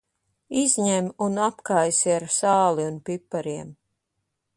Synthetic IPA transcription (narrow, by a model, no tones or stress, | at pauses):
izʲɲemunapkajsiaɾsaːlˠiunpipːaɾiɛm